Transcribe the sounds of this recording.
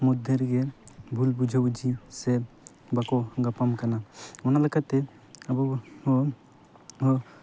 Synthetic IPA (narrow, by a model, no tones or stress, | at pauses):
mud̪ʱeɾɡɛbʱulbud͡ʒʱawd͡ʒʱisɛ | bakɔɡapamkanaɔnalekat̪ɛ | abɔ